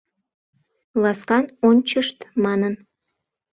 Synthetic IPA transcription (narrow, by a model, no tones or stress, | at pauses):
lɑskɑnonʲt͡ɕəʃt̪mɑnən